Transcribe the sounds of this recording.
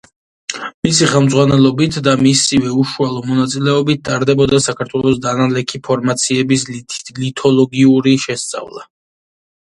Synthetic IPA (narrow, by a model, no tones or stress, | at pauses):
misiχɛlˠmd̪zʁwanɛlˠɔbit̪ʰd̪amisivɛuʃualˠɔmɔnat̪sʼilɛɔbit̪̚d̪ʼaɾd̪ɛbɔd̪asakʰaɾt̪ʰwɛlˠɔsd̪analɛkʰipʰɔɾmat̪sʰiɛbislit̪ʰɔlˠɔɡiuɾiʃɛst̪sʼa̰vlˠa̰